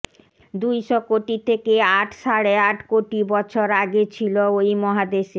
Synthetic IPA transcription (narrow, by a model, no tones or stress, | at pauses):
d̪ujʃɔkoʈit̪ʰekeaʈʰʃaɽeaʈkoʈibɔt͡ɕʰoɾaɡet͡ɕʰiloojmɔɦad̪eʃe